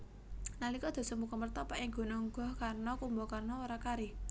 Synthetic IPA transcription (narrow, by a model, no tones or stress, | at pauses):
nalikɔd̪̥ɔ̤səmukɔmərt̪ɔpaʔɪŋɡ̥o̤nɔŋɡɔ̤hkarnɔkumbɔkarnɔoɾakaɾi